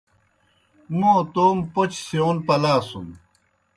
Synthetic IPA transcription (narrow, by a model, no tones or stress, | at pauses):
mõːt̪oːmpot͡ɕseoːnpɐlaːsum